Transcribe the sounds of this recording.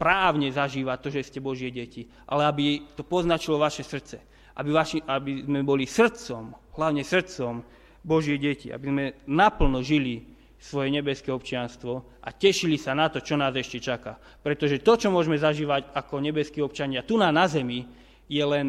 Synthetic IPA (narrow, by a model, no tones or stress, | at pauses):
pɾaːʊɲɛzaʒiːʋat̪ɔʒɛscɛbɔʒɪɛɟɛci | ʔa̰lɛabit̪ɔpɔznat͡ʃilɔʋaʃɛsr̩t̪t͡sɛ | ʔa̰biʋaʃiabizmɛbɔlisr̩t͡sɔmɦlaʊɲɛsr̩t͡sɔm | bɔʒɪɛɟɛcia̰bizmɛnapl̩nɔʒili | sʋɔjɛɲɛbɛskɛɔpt͡ʃɪanst̪ʋɔ | ʔacɛʃilisanat̪ɔt͡ʃɔnaːzɛʃcɛt͡ʃaka | pɾɛt̪ɔʒɛt̪ɔt͡ʃɔmʊɔʒɛmɛzaʒiːʋaɟakɔɲɛbɛskiːɔpt͡ʃaɲɪat̪unaːnazɛmi | jɛlɛn